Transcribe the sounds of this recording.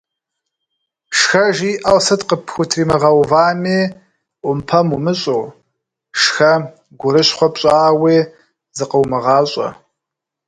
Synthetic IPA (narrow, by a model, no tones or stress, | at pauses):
ʂxɐʒiːʔɐwsɐtqəpʰxʷʊtʰriːmɐʁɐwvaːmeː | ʔʷʊmpʰɐmumɨɕʼoː | ʂxɐ | ɡʷʊɾɨɕχʷɔpɕʼaːweː | zɨqəwmɨʁɑːɕʼɐ̰